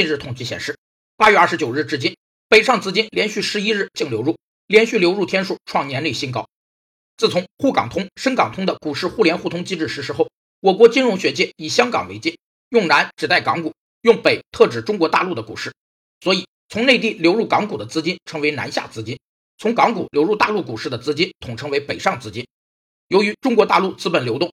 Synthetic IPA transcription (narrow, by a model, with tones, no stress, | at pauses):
t͡ɕnɻ̩˥˩t̪ʰʊ˨˩ŋt͡ɕi˥˩ɕjɛ̰˨˩nʂɻ̩˥˩ | pa˥ɥɛ˥˧ɐ˥˩ʂɻ̩˧˥t͡ɕjo˨˩ʊɻ̩˥˩ʈ͡ʂɻ̩˥t͡ɕi˥n | pe˨˩ɪʂɑ˥˩ŋt͡sɹ̩˥t͡ɕi˥nljɛ˧˥nɕy˥˩ʂɻ̩˧˥i˥ɻ̩˥˩t͡ɕi˥˩ŋljo˧˥ʊɻu˥˩ | ljɛ˧˥nɕy˥˩ljo˧˥ʊɻu˥˩t̪ʰjɛ˥nʂu˨˩ʈ͡ʂʰwɑ˥˩ŋnjɛ˧˥ne˥˩ɪɕi˥nkɑ˥ʊ | t͡sɹ̩˥˩t͡sʰʊ˧˥ŋxu˥˩kɑ̰˨˩ŋt̪ʰʊ˥ŋʂə˥ŋkɑ˨˩ŋt̪ʰʊ˥ŋd̪ə˨ku˨˩ʂɻ̩˥˧xu˥˩ljɛ˧˥nxu˥˩t̪ʰʊ˥ŋt͡ɕi˥ʈ͡ʂɻ̩˥˩ʂɻ̩˧˥ʂɻ̩˧˥xo˥˩ʊ | wɔ˨˩kwɔ˧˥t͡ɕi˥nɻʊ˧˥ŋɕɥɛ˧˥t͡ɕjɛ˥i˨˩ɕjɑ˥ŋkɑ̰˨˩ŋwe˧˥ɪt͡ɕɛ˥˩n | jʊ˥˩ŋna˧˥nʈ͡ʂɻ̩˨˩t̪a˥˩ɪkɑ˧˥ŋku˨˩ | jʊ˥˩ŋpe˨˩ɪt̪ʰɤ˥˩ʈ͡ʂɻ̩˨˩ʈ͡ʂʊ˥ŋkwɔ˧˥t̪a̰˥˧lu˥˩d̪ə˩ku˨˩ʂɻ̩˥˩ | swɔ˧˥i˨˩˦ | t͡sʰʊ˧˥ŋne˥˧ɪt̪̬i˥˩ljo˧˥ʊɻu˥˩kɑ˧˥ŋku˨˩d̪ə˦t͡sɹ̩˥t͡ɕi˥nʈ͡ʂʰɤ˧˥ŋwe˧˥ɪna̰˧˥nɕja̰˥˩t͡sɹ̩˥t͡ɕi˥n | t͡sʰʊ˧˥ŋkɑ˧˥ŋku˨˩ljo˧˥ʊɻu˥˧t̪a˥˧lu˥˩ku˨˩ʂɻ̩˥˩d̪ə˩t͡sɹ̩˥t͡ɕi˥nt̪ʰʊ˨˩ŋʈ͡ʂʰɤ˧˥ŋwe˧˥ɪpe˨˩ɪʂɑ˥˩ŋt͡sɹ̩˥t͡ɕi˥n | jo˧˥ʊy˧˥ʈ͡ʂʊ˥ŋkwɔ˧˥t̪a̰˥˧lu˥˩t͡sɹ̩˥pə˨˩nljo˧˥ʊt̪ʊ˥˩ŋ